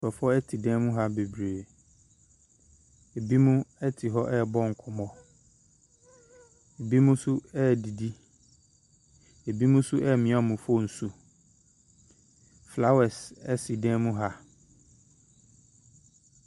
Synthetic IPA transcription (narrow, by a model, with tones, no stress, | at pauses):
fɛ˨fɔ˦ɛ˦tʰi˨dɛ̃˦mũ˦ɦa˦be˨bɾe˨ | e˨bi˦mũ˦ɛ˦tʰi˨ɦɔ˦ʔɛ˦˨bɔ˦ŋ̩˨kʰʊ˨mɔ̃˦ | e˨bi˦mũ˦sʊ˦ɛ˦˨di˨di˦ | e˨bi˦mũ˦sʊ˦ʔɛ˦˨mɪ̃˨a˦˨mũ˨fo˦˨n̩˨su˨ | fla˦wɛ˨sɛ̰˦si˨dɛ̃˦mũ˦ɦa˦